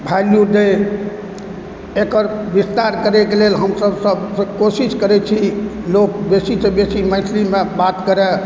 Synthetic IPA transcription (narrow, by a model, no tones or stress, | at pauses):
bʱaljud̪e | ekəɾbist̪aɾkəɾɛkelelɦəmsəbsəbskosiskəɾɛt͡ʃʰilok̚besisẽbesimə̃ɪslimebat̪kəɾɛ